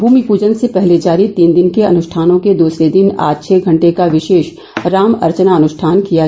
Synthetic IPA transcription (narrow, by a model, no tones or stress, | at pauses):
bʱuːmipuːd͡ʒənsepɛɦled͡ʒaːɾit̪iːnd̪ɪnkeɐ̰nʊʃʈʰaːnõked̪uːsɾed̪ɪna̰ːd͡ʒt͡ʃʰɛːɡʱɐ̃ɳʈekaʋɪʃeːʃ | ɾaːmɐ̰ɾt͡ʃnaɐnʊʃʈʰaːnkija